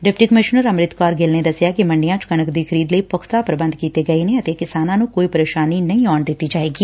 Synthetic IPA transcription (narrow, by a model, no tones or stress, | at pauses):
ɖɪpʈiːkəmɪʃnəɾəmɾɪt̪kaːɾɡeːlneːd̪əsɪjaːkɪmə̃ɳɖɪjãːt͡ʃkənəkd̪iːkʰəɾiːd̪ləiːpʊkʰt̪aːpɾəbə̃nd̪̚kiːt̪eːɡəeneːət̪eːkɪsaːnãːnũːkoːiːpəɾeːʃaːniːnəĩːɔːɳd̪ɪt̪ːiːd͡ʒaːeːɡiː